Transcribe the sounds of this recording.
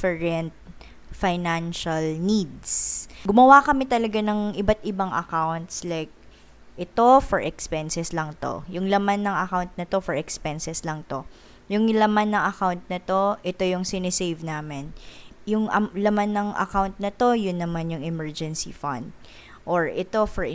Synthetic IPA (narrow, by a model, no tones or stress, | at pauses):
fɛɹɛnt̪̚ | fajnanʃɐlnid̪sɡʊmɐwakɐmɛt̪ɐlɐɡanɐŋʔɪbat̪̚ɪbaŋɐ̰kawnt̪slajk̚ | ʔɛt̪o̞fɔɹʔɛkspɛnsɛslɐŋt̪o̞̰jʊŋlɐmanːɐŋɐkawnt̪̚nɐt̪o̞fɛɹɛkspɛnsɛslɐŋt̪o̞ | jʊŋlɐmanːɐŋɐkawnt̪̚nɐt̪o̞ʔɛt̪o̞jʊŋsɪnɛsejvnaːmɛnjʊŋʔɐ̰lɐmanːɐŋʔɐ̰kawnt̪̚nɐt̪o̞jʊnːɐmanjʊŋɛmɛɹd͡ʒɛnsḭfɐ̰nd̪̚ | ʔoɹʔɛt̪o̞fɛɹ